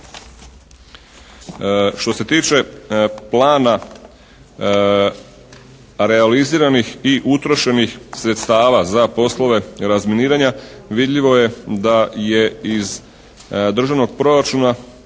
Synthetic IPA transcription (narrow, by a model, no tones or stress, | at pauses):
ʃt̪o̞se̞t̪iːt͡ʃe̞plaːna | ɾe̞aliziːɾanixiʔut̪ɾo̞ʃe̞nixsɾet̪st̪aːʋazapo̞slo̞ʋe̞ɾazminiːɾaɲaʋid̪ʎiʋo̞je̞d̪aje̞iz | d̪r̩ʒaʋno̞ɡ̚pɾo̞ɾat͡ʃuna